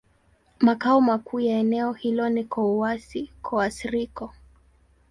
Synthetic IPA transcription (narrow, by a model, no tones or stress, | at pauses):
makaɔmakuːjaɛnɛɔhilɔnikɔuwasikʰɔasiɾikɔ